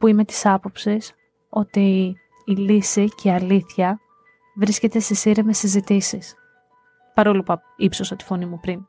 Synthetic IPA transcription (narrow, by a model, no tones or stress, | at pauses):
puime̞t̪i̥sɐpo̞psis | o̞t̪iː | lisiceɐliθçɐ | vɾisce̞t̪e̞st̪esiɾeme̞sizit̪isis | pɐɾo̞lupɐ | ipso̞sɐt̪i̥fo̞nimupɾin